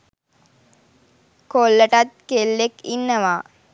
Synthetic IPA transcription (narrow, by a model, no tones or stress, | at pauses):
kolːəʈɐt̪̚kelːekinːəʋaː